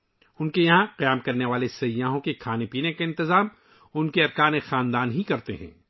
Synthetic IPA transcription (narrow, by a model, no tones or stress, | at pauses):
ʊnkejɐɦãqɐjaːmkɐɾneʋaːlesɐjãːɦõkekʰaːnepiːnekaɪ̃nt̪ɪzaːm | ʊnkeɐɾkaːnexaːnd̪aːnɦikɐɾt̪eɦɛ̰̃ː